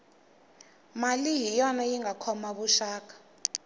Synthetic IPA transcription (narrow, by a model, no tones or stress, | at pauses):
malijijɔnajiŋɡʱakʰɔmaɓuʃaːk̬ʼḁ